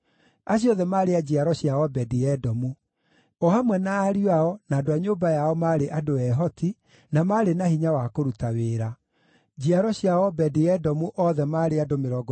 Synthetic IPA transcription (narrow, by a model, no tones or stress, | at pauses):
aɕ̬iɔðɛmaːɾead͡ʑiaɾɔɕjaɔbɛdiɛdɔmu | ɔhamwɛnaːɾiwaɔnadoaɲoːbajaɔmaɾeʔadoɛɦɔtʰi | namaɾenahiɲawakoɾutaweːɾa | d͡ʑiaɾɔɕiaɔbɛdiɛdɔmuʔɔðɛmaɾeadomeɾɔːɡ